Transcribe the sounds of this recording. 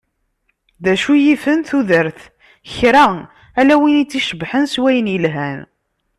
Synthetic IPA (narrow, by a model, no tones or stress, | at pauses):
ðæʃujifənθuðəɾθ | çɾæ | ælæwinit͡sːiʃəbħənswæjənjəlɦæn